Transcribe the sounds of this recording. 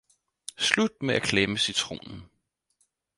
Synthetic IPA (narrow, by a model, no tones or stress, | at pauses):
slud̥̚meʔækʰleməsit͡sʰʁo̝̰ːnn̩